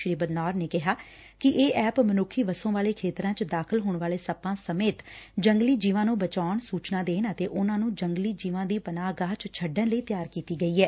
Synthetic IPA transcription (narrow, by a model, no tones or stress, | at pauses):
ʃɾiːbəd̪naːɾneːkɪɦaː | kɪʔeːʔɛːpmənʊkʰːiːʋəsõːʋaːleːkʰeːt̪ɾãːt͡ʃd̪aːkʰəlɦoːɳʋaːleːsəpãːsəmeːt̪d͡ʒəŋɡliːd͡ʒiːʋãːnũːbət͡ʃaːʊɳsuːt͡ʃnaːd̪eːnət̪eːʔʊnãːnũːd͡ʒəŋɡliːd͡ʒiːʋãːd̪iːpənaːɡaːt͡ʃt͡ʃʰəɖənləiːt̪ɪjaːɾkiːt̪iːɡəiːɛː